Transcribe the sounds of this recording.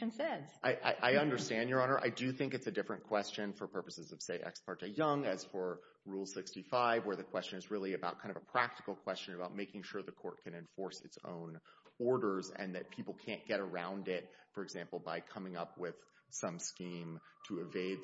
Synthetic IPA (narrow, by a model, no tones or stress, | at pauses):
nsɛd̥ʔaɪʔa̰ɪʔaɪʌ̃ndə˞stæ̃ndjə˞ɑnə˞ʔa̰ɪdɨθɪ̃ŋkɨtsɨdɪfɹɨ̃nkʰw̥ɛst͡ʃɨ̃nfə˞pʰɜ˞pɨsɨzʌv̥seɪʔɛ̰kspʰɑɹtejʌ̃ŋɨz̥fə˞ | ɹulˠsɪkstifaɪvwə˞ðɨkʰw̥ɛst͡ʃɨ̃nɨzɹɪlˠiɨbaʊt̚kʰãɪ̃ndʌvəpʰɹ̥æk̚tɨ̥kl̩ˠkʰw̥ɛst͡ʃɨ̃nɨbaʊt̚meɪkɪ̃ŋʃʊɹðɨkʰɔɹt̚kʰɨ̃nɨ̃ɱfɔɹsɨ̰tsõ̰ʊ̃nɔɹɾə˞zɨ̰̃nðɨt̚pʰipl̩ˠkʰæ̃nɡ̥ɛɾə˞ãʊ̃ndɪt̚fə˞ɨɡzæ̃mpl̩ˠbaɪkʰʌmɪ̃ŋʌp̚wɪð̥sʌ̃mskĩmtʰɨɨveɪd̪̚